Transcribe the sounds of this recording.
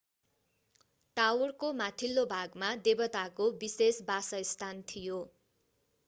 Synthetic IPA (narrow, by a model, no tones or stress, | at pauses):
ʈawrkomat̪ʰilːobʱaɡmad̪ebʌt̪akobisesbasʌist̪ʰant̪ʰijo